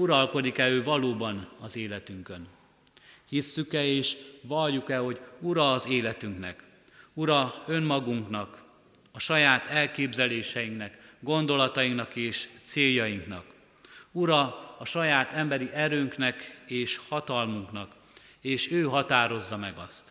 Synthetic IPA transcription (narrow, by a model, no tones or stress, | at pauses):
uɾɒlko̞d̪ikɛøːvɒloːbɒnɒzeːlɛt̪yŋkø̞n | hisːykɛeːʃvɒlːukɛlho̞ɟuɾɒːzeːlɛt̪yŋknɛ̰k | uɾɒø̞nmɒɡuŋknɒk | ɒʃɒjaːt̪ɛlkeːbzɛleːʃɛjiŋknɛkɡo̞nd̪o̞lɒt̪ɒjiŋknɒkeːʃt̪seːjːɒjiŋknɒ̰k | uɾɒːʃɒjaːt̪ɛmbɛɾiʔɛɾøːŋknɛkeːʃhɒt̪ɒlmuŋknɒk | eːʃøːɦɒt̪aːɾo̞zːɒmɛɡɒst̪